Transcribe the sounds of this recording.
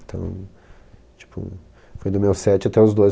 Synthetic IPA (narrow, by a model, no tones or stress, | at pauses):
t̪ʰɐ̰̃w̃ | t͡ʃi̥pʰʊ̰ | fojd̪ʊmewsɛt͡ʃɪat̪ɛʊzd̪oj